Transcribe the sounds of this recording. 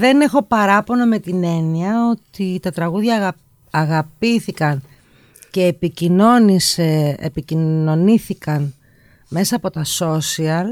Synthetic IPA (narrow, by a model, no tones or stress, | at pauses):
ðe̞ne̞xo̞pɐɾɐpo̞nome̞t̪ine̞niɐo̞t̪it̪ɐt̪ɾɐɣuðʝɐɐ | ɐɣɐpiθikɐn | ce̞ːpicino̞niseḛpicino̞niθikɐn | me̞sɐːpo̞t̪ɐso̞siɐl